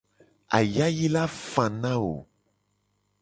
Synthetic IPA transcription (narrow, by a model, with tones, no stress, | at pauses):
a̰˨ja˦ji˦la˦fã˨nã˦wo̰˨